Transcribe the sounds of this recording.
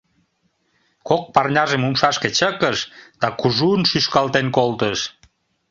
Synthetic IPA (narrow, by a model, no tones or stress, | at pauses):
kok̚pɑrnʲɑʒemumʃɑʃket͡ɕəkəʃd̪̥ɑkuʒunʃyʃkɑlt̪enkolt̪əʃ